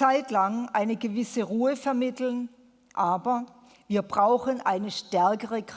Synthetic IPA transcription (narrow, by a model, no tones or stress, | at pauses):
aɪtlaŋʔa̰ɪnəɡəvɪsəʁuːəfɛɐmɪtl̩n | ʔaːbɐ | viːɐbʁaʊxənʔaɪnəʃtɛɐkəʁək